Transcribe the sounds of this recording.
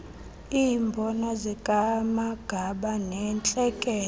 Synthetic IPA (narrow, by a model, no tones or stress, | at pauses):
iːmbʱɔnazikʼamaɡ̥ʱaɓanɛnt͡ɬʼɛkʼɛː